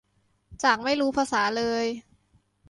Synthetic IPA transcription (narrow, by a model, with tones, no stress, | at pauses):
t͡ɕaː˨˩k̚ma˥˩jɾuː˦˥pʰaː˧saː˩˦lɤː˧j